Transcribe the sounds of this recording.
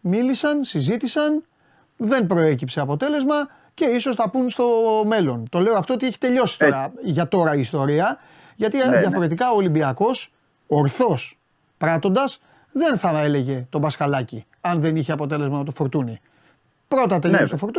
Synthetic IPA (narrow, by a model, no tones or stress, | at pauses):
milisɐnsizit̪isɐn | ðe̞npɾo̞e̞cipse̞ɐpo̞t̪e̞le̞zmɐ | ce̞iso̞sθɐpunst̪o̞me̞lo̞nt̪o̞le̞oɐft̪oot̪ieçi̥t̪e̞ʎo̞si̥t̪o̞ɾɐʝɐt̪o̞ɾɐiːst̪o̞ɾiɐ | ʝɐt̪iðjɐfo̞ɾe̞t̪̬ikɐoːlimbiɐko̞s | oɾθo̞s | pɾɐt̪o̞nd̪ɐs | ðe̞nθɐe̞le̞ʝe̞t̪o̞bɐskɐlɐci | ɐnðe̞niçeɐpo̞t̪e̞le̞zmɐnɐt̪o̞foɾt̪uni | pɾo̞t̪ɐt̪elost̪ofoɾt̪u